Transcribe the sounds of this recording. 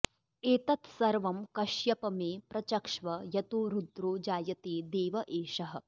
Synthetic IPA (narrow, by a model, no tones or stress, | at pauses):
eːt̪ɐt̪sɐɾʋɐmkɐʃjɐpɐmeːpɾɐt͡ʃɐkʂʋɐjɐt̪uɾud̪ɾuːd͡ʒaːjɐt̪eːd̪eːʋɐʔeːʃɐɦɐ̆